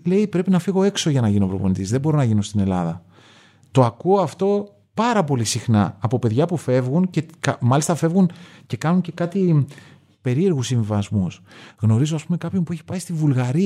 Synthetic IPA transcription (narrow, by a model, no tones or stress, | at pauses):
le̞ipɾe̞pinɐfiɣo̞e̞kso̞ʝɐnɐʝino̞vɾo̞̰po̞nd̪izðebo̞ɾo̞nɐʝino̞st̪ine̞lɐðɐ | t̪o̞ɐkuoɐft̪o̞ | pɐɾɐpo̞lisixnɐ̰ːpo̞pe̞ðʝɐpufe̞vɣunce̞kɐmɐlist̪ɐfe̞vɣunce̞kɐnunce̞kɐt̪i | pe̞ɾie̞ɾɣusiɱvivɐzmusɣno̞ɾizoɐspumekɐpço̞mpueçi̥pɐjst̪ivulɣɐɾi